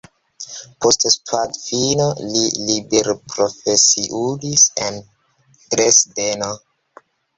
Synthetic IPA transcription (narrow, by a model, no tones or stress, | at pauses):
postspʰwadfinolilibeɾpɾofesiʔudisen | ɡɾesdeno